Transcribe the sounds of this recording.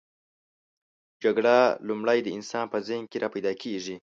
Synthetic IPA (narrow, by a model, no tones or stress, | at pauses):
d͡ʒaɡɽalumɽajd̪əɪnsɑnpəzahŋkeɾʔɑpajd̪ɑkʰeʐi